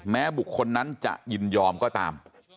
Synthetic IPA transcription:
mɛː˦˥bu˨˩kʰːo˧nːa˦˥nt͡ɕa̰˨˩ʔji˧njɔː˧mkɔː˥˩t̪a̰ː˧m

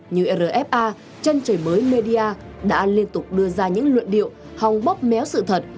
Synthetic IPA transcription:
ɲɨ˧ʔe˧˩ɾəː˨˩ʔɛ˦˥p̚ʔaː˧ | t͡ɕe˧nt͡ɕəː˨˩jməː˨˦jme˧ɗi˧ʔaː˧ | ɗa̰ː˧˥li˧ənt̪ʊ˨˩k͡p̚ɗɨ˧əzaː˧ɲɨ̰˧˥ŋlwə̰˧˨nɗḭ˧˨ə˨w | ha˨˩wŋ͡mɓə˦˥p̚mɛ˨˦wsɨ̰˧˨t̪ʰə˨˩t̚

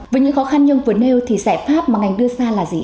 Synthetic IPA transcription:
əː˨˦jɲɨ̰˧˥ŋxɔ˨˦xa˧nɲə˧ŋvəː˨˦ne˧wt̪ʰi˨˩saː˧˩jfaː˦˥p̚maː˨˩ŋa˨˩jŋɗɨ˧əzaː˧laː˨˩zḭ˨˩

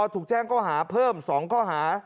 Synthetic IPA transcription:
t̪ʰuː˨˩k̚t͡ɕɛː˥˩ŋkʰɔː˥˩ɦaː˩˦pʰɤː˥˩msɔː˩˦ŋkʰɔː˥˩ɦaː˩˦

